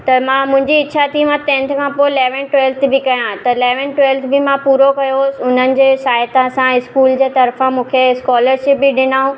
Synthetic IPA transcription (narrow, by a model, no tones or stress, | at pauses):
t̪ɐmãːmʊ̃ɦɪ̃ɲd͡ʑiɪːt͡ɕʰaːt̪ʰimãt̪ɛ̃ːnt̪ʰkʰãpoɪleːʋə̃nʈwelt̪ʰbɪkɐjãt̪ɐɪleːʋənʈwɛːlt̪ʰbɪmãpuːɾokɐjosɪʊn̤ənɪ̆d͡ʑeːsaːjt̪ãsãɪskuːld͡ʑeːt̪ɐɾfãmũːkʰeskɔːləɾʃɪp̚bɪɗɪnaːũ